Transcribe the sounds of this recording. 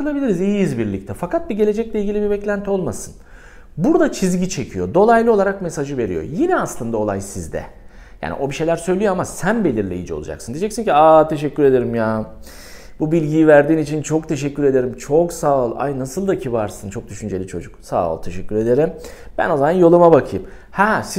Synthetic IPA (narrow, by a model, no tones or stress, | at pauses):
ɯlˠabilʲiɾizijiizbiɾlʲic̚t̪ʰɛfakat̪̚biɟe̞le̞d͡ʒɛclʲɛilʲɡɟilʲibibɛclʲænt̪ʰio̞lˠmasɯn | buɾd̪at͡ʃʰizɟit͡ʃʰe̞cʰijo̞d̪o̞lˠajlˠɯo̞lˠaɾakmesaʒɯve̞ɾḭjo̞̰jinɛaslˠɯnd̪ao̞lˠajsizd̪ɛ̰ | ja̰ːnʔḭʔo̞biʃe̞jlʲæɾsø̞jlʲijo̞amasænbe̞lʲiɾlʲejḭd͡ʒɛo̞̰ṵd͡ʒa̰ksɯnd̪id͡ʒɛcsinciaːt̪ʰe̞ʃɛcːyɾe̞d̪e̞ɾimjaː | bubilʲɟijivæɾd̪iːnit͡ʃʰint͡ʃʰo̞k̚t̪ʰe̞ʃɛcʰːyɾe̞d̪e̞ɾimt͡ʃʰoksaːlˠa̰jnasɯlˠd̪acʰivaɾsɯnt͡ʃʰo̞k̚d̪yʃynd͡ʒe̞lʲit͡ʃʰo̞̰d͡ʒuksa̰ːlˠt̪ʰe̞ʃɛcʲːyɾe̞d̪e̞ɾim | b̥æ̰no̞zamanjo̞lˠumabakʰɯjɯm | hæs